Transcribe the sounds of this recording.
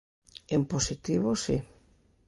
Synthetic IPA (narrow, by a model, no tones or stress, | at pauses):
emposit̪iβosi